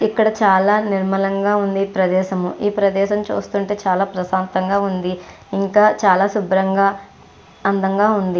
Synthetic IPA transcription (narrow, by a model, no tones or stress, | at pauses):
ikːɐɽɐt͡ʃaːlaːniɾmɐlɐŋɡaːund̪ipɾɐd̪ɛːʃɐmuiːpɾɐd̪ɛːʃɐmt͡ʃṵːst̪uːɳʈe̞ːt͡ʃaːlaːpɾɐsaːnt̪ɐŋɡaːund̪i | iŋkaːt͡ʃaːlaːsubɾɐŋɡaː | ɐnd̪ɐŋɡaːund̪i